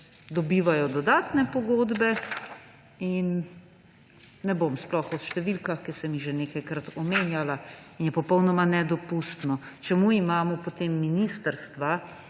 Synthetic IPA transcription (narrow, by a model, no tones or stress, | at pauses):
d̪ɔbiːʋajɔd̪ɔd̪aːt̪nɛpɔɡoːd̪bɛ | in | ɛbomsplɔxɔʃt̪ɛʋilkaxkisɛmiʒeneːkajkɾat̪ɔmeːnjalainjɛpɔpɔwnɔmanɛd̪ɔpust̪nɔ | t͡ʃɛmuimaːmɔpot̪eːmːinist̪əɾst̪ʋa